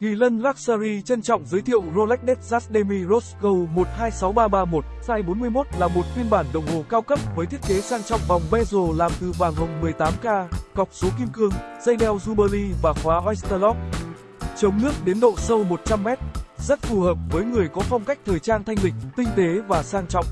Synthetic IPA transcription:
ki˨˩lə˧nlaː˦˥k̚saː˧ɾi˧t͡ɕə˧nt͡ɕɔ̰˧˨wŋ͡mzəː˨˦jt̪ʰḭ˧˨ə˨wzo˧lɛ˦˥k̚ɗɛ˦˥t̚zaː˦˥t̚ɗe˧mi˧zo˦˥tkə˧wmo˨˩t̚haː˧jsa˨˦wɓaː˧ɓaː˧mo˨˩t̚saː˧jɓo˨˦nmɨ˧əjmo˦˥t̚laː˨˩mo˨˩t̚fi˧ənɓaː˧˩nɗə˨˩wŋ͡mɦo˨˩kaː˧wkə˦˥p̚vəː˨˦jt̪ʰi˦˥ət̚ke˨˦saː˧ŋt͡ɕɔ̰˧˨wŋ͡mvɔ˨˩wŋ͡mvɛ˧zo˨˩laː˨˩mt̪ɨ˨˩ɓaː˨˩ŋɦə˨˩wŋ͡mmɨ˨˩əjt̪aː˨˦mkaː˧ɣɔ˨˩wk͡p̚so˨˦ki˧əmkɨ˧əŋz̥ə˧jɗɛ˧wzu˧ɓəː˧li˧vaː˨˩xwaː˨˦ʔa˧jst̪əː˧lɔ˦˥k̚ | t͡ɕə˨˦wŋ͡mnɨ˦˥ək̚ɗe˨˦nɗo̰˧˨sə˧wmo˨˩t̚t͡ɕa˧mːɛ˦˥t̚zə˦˥t̚fu˨˩həː˨˩p̚vəː˨˦jŋɨ˨˩əjkɔ˨˦fɔ˧wŋ͡mka˦˥jk̚t̪ʰəː˨˩jt͡ɕaː˧nt̪ʰa˧jŋ̟lï˨˩k̟̚t̪ï˧ŋ̟t̪e˨˦vaː˨˩saː˧ŋt͡ɕɔ̰˧˨wŋ͡m

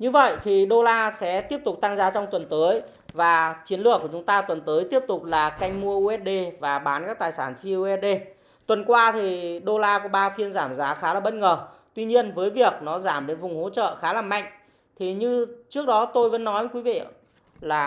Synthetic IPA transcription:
ɲɨ˧və̰˧˨jt̪ʰi˨˩ɗo˧laː˧sɛ̰˧˥t̪i˦˥əp̚t̪ʊ˨˩k͡p̚t̪a˧ŋzaː˨˦t͡ɕɔ˧wŋ͡mt̪wə˨˩nt̪əː˨˦j | vaː˨˩t͡ɕi˨˦ənlɨ˨˩əkːu˧˩t͡ɕʊ˨˦ŋ͡mt̪aː˧t̪wə˨˩nt̪əː˨˦jt̪i˦˥əp̚t̪ʊ˨˩k͡p̚laː˨˩ka˧jŋ̟mu˧əʔu˧ʔɛ˦˥t̚ɗe˧vaː˨˩ɓaː˨˦nkaː˦˥k̚t̪aː˨˩jsaː˧˩nfi˧u˧ʔɛ˦˥t̚ɗe˧ | t̪wə˨˩nkwaː˧t̪ʰi˨˩ɗo˧laː˧kɔ˨˩˦ɓaː˧fi˧ənzaː˧˩mzaː˨˦xaː˨˦laː˨˩ɓə˦˥t̚ŋəː˨˩t̪wi˧ɲi˧ənvəː˨˦jvi˨˩ək̚nɔ˨˦zaː˧˩mɗe˨˦nvʊ˨˩ŋ͡mho̰˧˥t͡ɕə̰ː˧˨xaː˨˦laː˨˩mːa̰˧˨jŋ̟ | t̪ʰi˨˩ɲɨ˧t͡ɕɨ˦˥ək̚ɗɔ˨˦t̪o˧jvə̰˧˨˦nːɔ˨˦jkwi˨˦vḭ˧˨ | laː˨˩

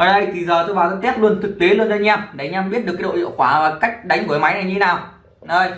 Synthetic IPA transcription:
ʔo˨˩ə˧˩jt̪ʰi˨˩zəː˨˩t̪ʰu˧vaː˨˩wzə˧˥t̪ɛ˦˥p̚lu˧ənt̪ʰɨ˨˩k̚t̪e˨˦lu˧ənzaː˧˦ɲaː˧mɗa˨˩˦ɲaː˧mɓi˦˥ət̚ɗɨ˨˩kːɗo̰˧˨hḭ˧˨wkwaː˧˩aː˨˩ka˦˥jk̟̚ɗa˨˦jŋ̟ku˨˩˦jma˨˦jna˨˩jɲɨ˧e˦naː˨˩w | ɗoː˧˩j

